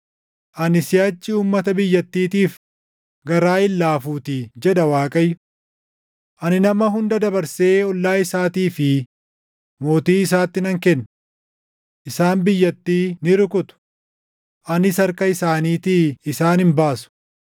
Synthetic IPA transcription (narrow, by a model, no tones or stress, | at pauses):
ʔɐnɪsɪjaːt͡ʃːɪuːmːɐt̪ɐbɪjːɐt̪ːiːt̪iːf | ɡɐɾaːɪlːaːfuːt̪id͡ʒɛᶑ̪ɐwaːkʼɐjʊ | ʔɐnɪnɐmɐɦʊnd̪ɐd̪ɐbɐɾseːɔlːaːɪsaːt̪iːfɪ | mo̞ːt̪iːɪs̬aːt̪ːɪnɐŋkɛnː | ʔɪsaːnbɪjːɐt̪ːiːnɪɾʊkʊt̪ʊ̥ | ʔɐnɪsɐɾkɐɪsaːniːt̪iɪsaːnɪmbaːsʊ̥